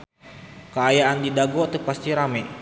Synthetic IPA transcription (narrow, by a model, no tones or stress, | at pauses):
kəajaʔandidaɡɔt̪ək̚past̪iɾamɛ